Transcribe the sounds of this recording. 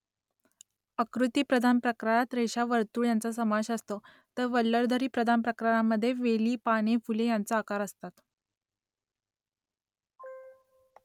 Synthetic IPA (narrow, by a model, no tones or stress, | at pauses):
əkɾut̪iːpɾəd̪ʱanpɾəkɾajat̪ɾeɕaʋəɾt̪uːɭjant͡sasəmaɕəst̪o | t̪əɾʋəlːəɾd̪ʱəɾiːpɾəd̪ʱanpɾəkɾajaməd̪ʱːjeʋeliːpaɽ̃efulejant͡saːkaɾəst̪at̪